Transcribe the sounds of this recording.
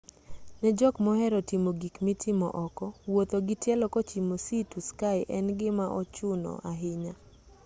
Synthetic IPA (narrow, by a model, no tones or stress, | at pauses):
nɛd͡ʒɔkmɔhɛɾɔtimoɡikmitʰɪmɔ̰ʔɔkɔwot̪oɡɪtjɛlɔkɔt͡ʃimosituskaɪʔɛnɡɪmaʔɔt͡ʃʊnɔ̰ʔaɦɪɲa